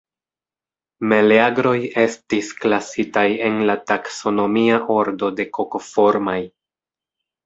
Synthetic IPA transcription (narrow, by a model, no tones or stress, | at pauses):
me̞leaɡɾo̞je̞stisklasitaje̞nlatakso̞no̞miaʔo̞ɾdo̞de̞ko̞ko̞fo̞ɾmaj